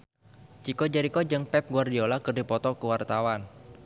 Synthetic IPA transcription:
t͡ʃikod͡ʒaɾikod͡ʒɨŋpɛp̚ɡuardiolakərdipɔt̪ɔkəwart̪awan

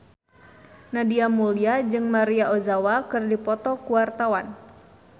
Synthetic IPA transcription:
nadiamuliad͡ʒɨŋmaɾiaozawakɨrdipɔt̪ɔkuwart̪awan

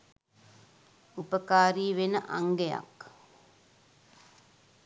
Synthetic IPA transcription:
upəkaːɾiːʋenəʔaŋɡeja̰k

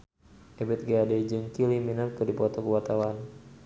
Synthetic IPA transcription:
ʔebɪt̪̚ɡeadɛd͡ʒɨŋkiliminap̚kɨdipɔt̪okəwat̪awan

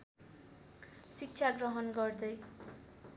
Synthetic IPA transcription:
sik̚t͡sʰaɡrʌɦʌnɡʌrd̪ʌj

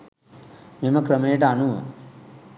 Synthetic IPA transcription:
memɐkɾəmeːʈ̬ɐanuʋə̰

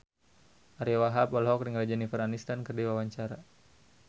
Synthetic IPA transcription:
ʔaɾiwaɦapɔlɦɔkɾiŋrad͡ʒɛnifəranist̪ankərdiwawaɲt͡ʃaɾa

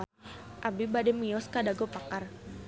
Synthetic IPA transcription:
ʔabibadɛmijɔskadaɡɔpakar

